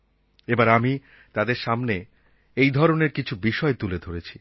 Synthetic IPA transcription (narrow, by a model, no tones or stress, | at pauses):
ebaɾami | t̪ad̪eɾʃamne | ejd̪ʱɔɾoneɾkit͡ɕʰubiʃɔet̪uled̪ʱoɾet͡ɕʰi